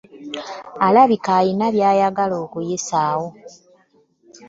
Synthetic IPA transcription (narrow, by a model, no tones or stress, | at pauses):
alaβikajinaβjaːjaɡalo̞ːkujesaːwo